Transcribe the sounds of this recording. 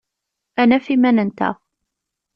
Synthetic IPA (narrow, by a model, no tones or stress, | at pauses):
ʔænæfimænənt̪a̰